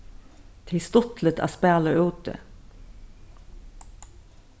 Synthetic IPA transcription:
t̪ʰɪst̪ɔt̪lət̪ʰɑ̰ːspæːləʉːt̪ə̰

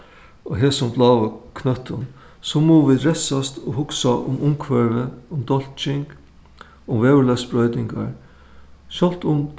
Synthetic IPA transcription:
ɔɦɛːsʊmb̪laːʋəkʰnœt̪ʰːʊn | sɔmuːʋɪd̪ɾɛsast̪ɔɦʊksaʔʊ̰mʊmkʰʋɛɹvəʊmd̪ɔl̥t͡ʃɪŋk | ʊmvɛːvəlɛspɹœʏt̪nɪŋka̰ɹ | ʃɔlt̪ʊm

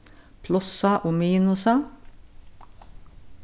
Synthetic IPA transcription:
pʰlʊsɑʔoːmiːnʊsɑ

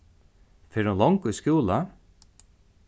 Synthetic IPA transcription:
fɛɾunlɔŋkujskjuːla

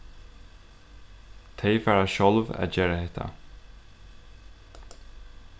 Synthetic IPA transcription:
t̪ʰejfæːɹaʃɔlvæ̰ðd͡ʒeːɹahɛht̪ʰa̰

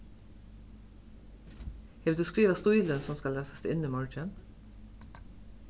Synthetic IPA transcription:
hɛʋ̪d̪ʉːskɹiːʋɑst̪ʊiːlənsɔmskɑlæːsəst̪ɪniːmɔɹt͡ʃən

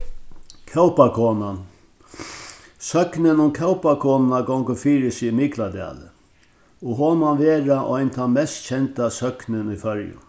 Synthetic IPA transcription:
kʰœwpakʰɔːnan | sœknɪnʊmkʰɛwpakʰɔːnnaɡɔŋkʊfiːɾɪsɪmiklad̪a̰ːlɪ̰ | ɔɣɦɔːmanʋeːɾaʔɔjnt̪ʰamɛst̪t͡ɕʰɛnt̪asœknɪnʏjfœɹjʊ̰

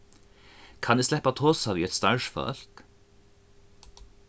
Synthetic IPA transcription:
kʰɑnd̪eːslɛpɑt̪ʰoːsɑʋiːɛt̪st̪ɑʉʃfɑ̰ɾk̪

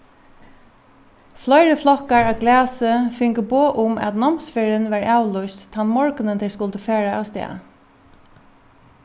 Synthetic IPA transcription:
flɔjɾəflɔhkaɹaɡlæːsɪfɪŋkəboːʔʊma̰t̪nɔmsfɪɾɪnʋaɹaːwlʊjst̪ːʰanmɔɹknɪnt̪ʰɛjskʊlt̪əfɛːɹaa̰wst̪ɛ̰ː

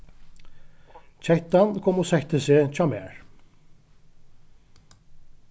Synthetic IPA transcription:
t͡ɕʰɛht̪ankʰɔmosɛht̪əseːt͡ɕʰaːmɛ̰ːɹ

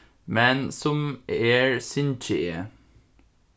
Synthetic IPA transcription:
mɛnsɔmeːɹsʏnt͡ʃəʔeː

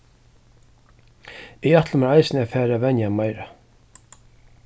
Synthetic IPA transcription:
ɪjat̪ləmaɾajsnɪafæːɾavɛnjamajɾa

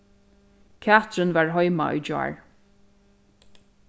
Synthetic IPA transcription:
kʰat̪ɹɪnvaɹɦɔjma̰ʔʊ̰jd͡ʒa̰ːɹ

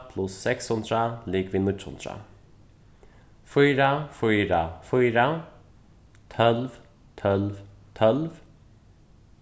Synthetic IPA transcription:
pʰlʊsːɛkshʊnd̪ɾaliːkviːnʏtːʊ̰nd̪ɾa̰ | fyjɾafɔjɾafɔjɾa | t̪ʰœlv | t̪ʰœlvt̪ʰœlv

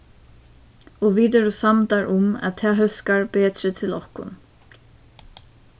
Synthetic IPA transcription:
ɔʋiːt̪̬ɛɾusamt̪aɹʔʊmæ̰ðt̪ʰɛːɦœskaɹbeːt̪ɾɪt̪ʰɪlɔhkʊ̰n

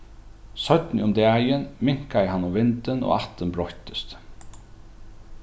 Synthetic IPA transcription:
sœt̪nɪ̰ʊmd̪ɛːjɪnmɪŋ̥kaɪɦanːʊmvɪnt̪ɪno̰ːaht̪ənbɾɔht̪ə̥st̪

